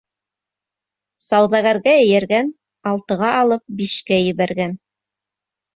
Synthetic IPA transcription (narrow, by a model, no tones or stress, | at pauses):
sɑwðɑɣæɾɡæɘ̆jæɾɡæn | ɑlˠt̪ɤ̆ʁɑʔɑlˠɤp̚biʃkæjɘ̆βæɾɡæn